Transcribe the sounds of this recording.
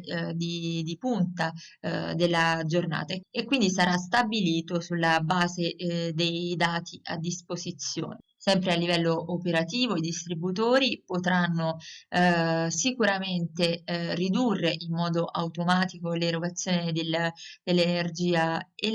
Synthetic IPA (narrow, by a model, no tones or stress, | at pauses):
d̪id̪ipunt̪a | d̪elːad͡ʒorna̰ːt̪aekːwind̪isaɾas̬t̪abiliːt̪osulːabaːzed̪ejd̪aːt̪ʰia̰d̪ːispozit̪sːjo̰ːne | sɛmpɾealːivɛlːoʔopeɾat̪iːvoid̪ist̪ɾibut̪oːɾipot̪ɾanːo | sikuɾament̪erid̪urːeʔimːɔːd̪oʔawt̪omaːt̪ikoleɾoɡat̪sːjoːned̪elːd̪̥elːenerd͡ʒiːae